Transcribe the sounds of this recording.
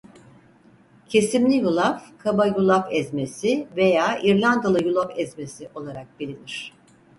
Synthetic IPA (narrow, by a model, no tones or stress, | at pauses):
cʰe̞simlʲijulˠafkʰabajulˠafɛzmesive̞jaːʔiɾlʲand̪alˠɯjulˠafɛzme̞siʔo̞lˠaɾak̚belʲiniɾ̝̥